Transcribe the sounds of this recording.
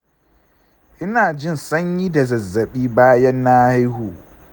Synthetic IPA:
ʔɪ˦naː˨d͡ʒɪ˦˨nsɐ˦ɲji˦da˨zɐ˨zːɐ˨ɓiː˦baː˦jɐ˦nːaː˦ha˦jhuː˨

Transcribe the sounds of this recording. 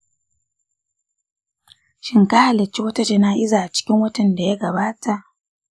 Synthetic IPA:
ʃɪ˦ŋka˦ha˨lɐ˨t͡ʃːi˦wɐ˦ta˦t͡ʃe˨naː˦ʔɪ˦zaː˨ʔa˨t͡ʃɪ̥˦kʲɪ˦ŋwɐ˦tɐ˨nda˨ja˦ɡɐ˨baː˦tʰa˨ʔ

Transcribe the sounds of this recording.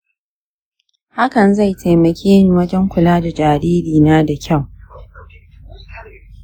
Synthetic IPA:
ha˦kɐ˨nza˦˨jtʰa˨jmɐ˨kʲiː˦˨wɐ˦d͡ʒɛ˦ŋkʷʊ˨laː˦da˨d͡ʒaː˨ɾiː˦ɾiː˨naː˦da˨kʲʰa˦˨w

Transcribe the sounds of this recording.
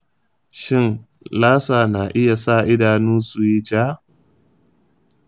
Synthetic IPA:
ʃɪ˦n | laː˦saː˨naː˨ʔɪ˦ja˨sa˦˨ʔɪ˦daː˨nuː˦su˨ji˦d͡ʒaː˦

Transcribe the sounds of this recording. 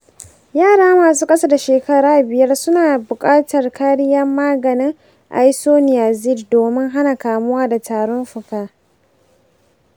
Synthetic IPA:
jaː˦˨ɽaː˦maː˨suː˦kʼɐ˦sa˦da˨ʃeː˨kɐ˦ɽaː˦˨bɪ˨jɐ˦rsʊ˦naː˨bʊ˨kʼaː˦tɐ˨rkʰaː˦ɽɪ˦jɐ˦mːaː˦ɡɐ˨nɪ˦ŋ | ʔa̰˨ji˦soː˦nɪ˨jaː˨zɪ˦˨ddoː˨mɪ˦ŋɦa˦na˨kaː˨mʊ˦waː˦da˨tʰaː˨ɽɔ˦nɸʊ˨kaː˦˨

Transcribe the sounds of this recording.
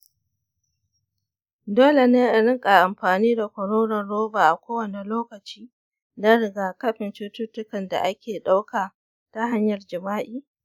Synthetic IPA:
doː˦le˨na˦˨ɽɪ˦ŋkʼa˨ʔa˨mɸaː˨niː˦da˨kʷɐ˨ɽoː˦ɽɐ˨nɽoː˦baː˨ʔa˨kʷoː˦wɐ˨ne˨loː˦kɐ˨t͡ʃiː˦ | na˦ɽɪ˨ɡaː˨kɐ˦ɸɪ˨nt͡ʃʊ˦tʊ˦tːʊ˦kɐ˨nda̰˨ʔa˦kʲeː˨ɗa˦wkaː˨ | ta˦ɦa˦ɲjɐ˨rd͡ʒɪ˨maː˦ʔiː˦˨

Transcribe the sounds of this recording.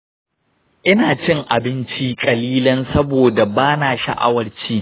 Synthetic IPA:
ʔɪ˦naː˨t͡ʃɪ˦ŋʔa˨bɪ˦nt͡ʃi˦kʼɐ˨liː˦lɐ˦nsɐ˦boː˨da˨baː˦naː˨ʃa̰˨ʔa̰˦wɐ˦ɽt͡ʃiː˦

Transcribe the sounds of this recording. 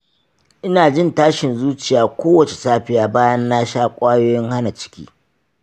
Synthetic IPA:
ʔɪ˦naː˨d͡ʒɪ˦˨ntaː˦ʃɪ˨nzuː˦t͡ʃɪ˨jaː˨kʷoː˦wɐ˨t͡ʃe˨saː˦ɸɪ˦jaː˨˦baː˦jɐ˦nːa˦ʃaː˦kʷʼaː˦joː˦jɪ˦ŋha˦na˨t͡ʃɪ̥˦kʲḭː˦

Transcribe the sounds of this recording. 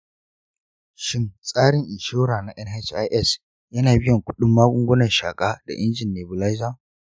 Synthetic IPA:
ʃɪ˦nsʼaː˦ɽɪ˨ŋʔɪ˨ʃoː˦ɽaː˨na˨ʔɛ˦nhɛ˦t͡ʃa˦ʔɛ˦˨s | jɐ˦naː˨bɪ˦jɐ˨ŋkʷʊ̥˦ɗʊ˦mːaː˦ɡʷʊ˦ŋɡʷʊ˦nɐ˨nʃaː˨kʼaː˦da̰˨ʔɪ˦nd͡ʒɪ˨nːeː˨bʊ˨la˦jzaː˦

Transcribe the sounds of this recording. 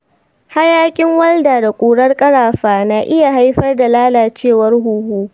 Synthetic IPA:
ha˦jaː˦kʲʼɪ˦ŋwɐ˦ldaː˨da˨kʷʼuː˨ɽɐ˦rkʼɐ˦ɽaː˨ɸaː˨naː˨ʔɪ˦ja˨ɦa˦jɸɐ˦rda˨laː˦laː˨t͡ʃeː˦˨wɐ˦rɦuː˦huː˦

